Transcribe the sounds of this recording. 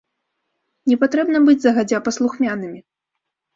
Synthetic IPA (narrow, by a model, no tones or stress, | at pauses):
nʲɛpat̪ɾɛbnɐbɨd͡zʲzɐɣad͡zʲapɐslˠuxmʲanɨmʲi